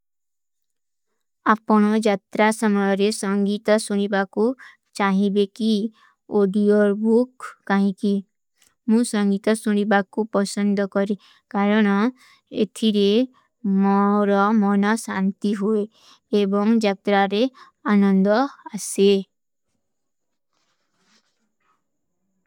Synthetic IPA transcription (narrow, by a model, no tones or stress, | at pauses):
apɔɽ̃ɔd͡ʒat̪ɾasɔmɔjɔɾesɔŋɡit̪ɔsuñibaku | t͡ʃaɦibeki | oɖioɾbukːaɦĩki | mũsɔŋɡit̪ɔsuñibakupɔsɔnd̪ʱɔkɔɾi | kaɾɔɽ̃ɔ | ḛt̪ʰiɾe | mɔɾɔmɔnɔsant̪iɦueː | bɔŋd͡ʒak̚t̪ɾaɾe | anɔnd̪ɔase